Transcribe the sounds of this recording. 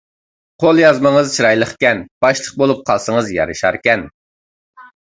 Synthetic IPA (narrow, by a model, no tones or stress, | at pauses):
qʰolˠjɑzməŋəzt͡ʃʰiɾɑjlˠəχkʲɛnb̥ɑʃlˠəχ̚bolˠup̚qʰɑlˠsəŋəzjɑ̰ɾɨʃɑɾkʲɛn